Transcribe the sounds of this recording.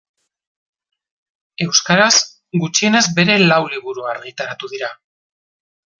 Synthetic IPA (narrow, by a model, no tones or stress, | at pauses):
e̞wskaɾaz | ɡut͡ʃie̞nezbe̞ɾe̞lawliβuɾuaɾɣit̪aɾat̪uðiɾa